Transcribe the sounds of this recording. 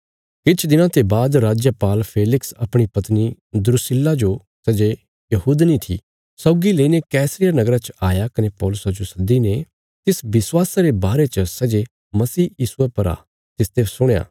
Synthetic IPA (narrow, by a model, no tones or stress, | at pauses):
kɪt͡ʃʰd̪ɪnãt̪ebaːd̪ɾaːd͡ʒjəpaːlpʰeːlɪksɐpɽ̃ipɐt̪ni | d̪ʊɾʊsɪlːad͡ʒo | sɛd͡ʒe | jɐɦuːd̪nĩt̪ʰḭ | sɔːɡileinekɛːsɾijanɐɡɾat͡ʃaːjakɐnepɔːlʊsad͡ʒosɐd̪ine | t̪ɪsbɪswaːsaɾebaːɾet͡ʃəsɛd͡ʒe | mɐsiːjiːsuepɐɾa̰ː | t̪ɪst̪esʊɽ̃ja̰ː